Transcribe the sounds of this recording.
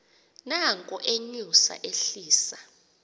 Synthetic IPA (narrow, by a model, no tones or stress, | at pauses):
naŋkʼɔʔeɲusa̰ʔeɬiːsa